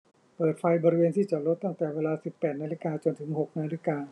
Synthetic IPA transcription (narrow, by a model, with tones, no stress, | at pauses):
pɤː˨˩t̪̚fa˧jbɔː˧ɾi˧weː˧nt̪ʰiː˥˩t͡ɕa˨˩lo˦˥t̪ːa˥˩ŋt̪ɛː˨˩weː˧laː˧si˨˩pːɛː˨˩t̪̚naː˧li˦˥kaː˧t͡ɕo˧nt̪ʰɯ˩˦ŋɦo˨˩k̚naː˧li˦˥kaː˧